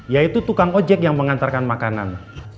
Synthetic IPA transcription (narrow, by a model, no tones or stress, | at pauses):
jait̪ut̪ukaŋod͡ʒɛk̚jaŋməŋant̪arkanmakana̰n